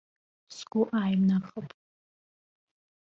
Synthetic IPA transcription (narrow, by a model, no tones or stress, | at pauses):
sɡʷʊʔaːjmnaχəpʼ